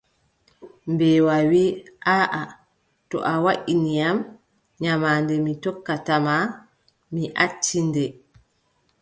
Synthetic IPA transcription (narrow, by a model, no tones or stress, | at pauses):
mbɛːwawiːʔaʔa | tɔ̰ʔawaʔinijam | ɲamaːndɛmitɔkːatama | miʔatːindɛ